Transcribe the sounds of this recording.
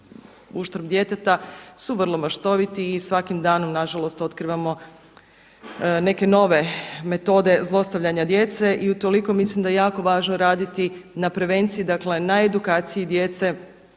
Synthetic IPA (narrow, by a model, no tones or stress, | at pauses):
uʃt̪ɾbd̪je̞t̪et̪asuʋr̩lˠo̞maʃt̪o̞ʋit̪iːsʋakimd̪aːno̞mnaʒalo̞st̪o̞t̪kɾiʋamo̞ | ne̞ke̞no̞ʋe̞me̞t̪o̞d̪e̞zlˠo̞st̪aʋʎaɲad̪je̞t̪se̞ʔiut̪o̞liko̞mislimd̪ajejaːko̞ʋaːʒnoɾaːd̪it̪inapɾe̞ʋe̞nt̪sijid̪akle̞naed̪ukaːt̪sijid̪je̞t̪se̞